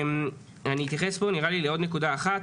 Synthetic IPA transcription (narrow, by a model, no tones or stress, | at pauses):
m | aniːt̪jaχe̞sbo̞niʁalileo̞d̪ne̞kud̪aːχat